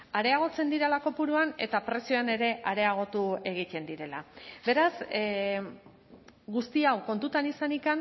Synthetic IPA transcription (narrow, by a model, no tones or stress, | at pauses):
aɾe̞aɣ̞o̞t͡se̞nd̪iɾelako̞puɾuane̞̰t̪apɾe̞sio̞ane̞ɾe̞ʔaɾe̞aɣ̞o̞t̪ue̞ɣ̞ic̪e̞nd̪iɾe̞la̰be̞ɾas | ɡust̪iawko̞nt̪ut̪anisanikan